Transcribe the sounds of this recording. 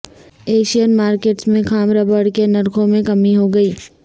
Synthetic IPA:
eːʃijənmaːɾkeːʈsmẽxaːmɾabəɽkenɐɾkʰõmẽkɐmiɦoɡɐiː

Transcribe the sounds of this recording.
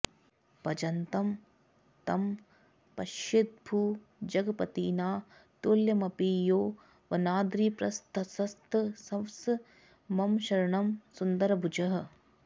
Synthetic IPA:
pɐd͡ʒɐnt̪ɐm | t̪ɐm | pɐʃit̪̚bʱuː | d͡ʒɐɡɐpɐt̪ḭːnaːt̪oːljɐmɐpiːjoː | ʋɐnaːd̪ɾiːpɾɐst̪ʰɐsɐst̪ʰsɐms | mɐmʃɐɾɐɳɐmsund̪ɐɾɐbʱud͡ʒɐɦɐ̆

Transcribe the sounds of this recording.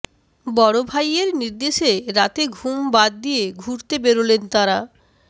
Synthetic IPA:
bɔɽobʱajeɾniɾd̪eʃeɾat̪eɡʱumbad̪̚ːijeɡʱuɾt̪ebeɾolent̪aɾa

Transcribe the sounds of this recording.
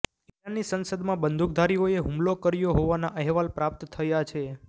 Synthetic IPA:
ianːisənsəd̪mãbənd̪ʱuk̚d̪ʱaɾioeɦũmlokəɾjoɦoʋanaʔəɦʋalpɾap̚t̪ːʰəjat͡ʃʰe

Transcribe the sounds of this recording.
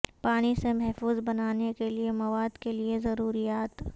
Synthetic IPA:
paːɽ̃isemɛɦfuːzbɐnaːnekeliemɐʋaːd̪keliezɐɾuːɾijaːt̪

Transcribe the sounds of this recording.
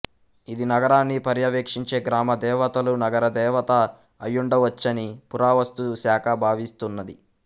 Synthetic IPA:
id̪inɐɡɐɾaːnːipɐɾjɐʋeːkʂiɲt͡ʃe̞ːɡɾaːmɐd̪ɛːʋɐt̪ɐlunɐɡɐɾɐd̪ɛːʋɐt̪ɐː | jːuɳɖɐʋɐt͡ʃːɐnipuɾaːʋɐst̪usaːkʰɐbʱaːʋist̪unːɐd̪i

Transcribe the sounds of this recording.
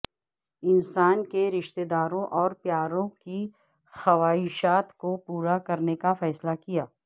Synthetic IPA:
ɪnsaːnkeɾɪʃt̪ed̪aːɾõʔɔːɾpjaːɾõki | xɐʋaːɪʃaːt̪kopuːɾakɐɾnekafɛːslakijaː

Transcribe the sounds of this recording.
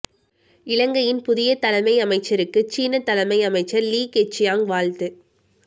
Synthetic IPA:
ɪɻɐŋɡɐjɪnpʊðɪjɐt̪ɐlɐmɐɪɐmɐɪt͡ʃːɐɾɯkːɯt͡ʃiːnɐt̪ːɐlɐmɐɪɐmɐɪt͡ʃːɐɾliːkɛt͡ʃːɪjaːŋʋaːɭt̪ɯ

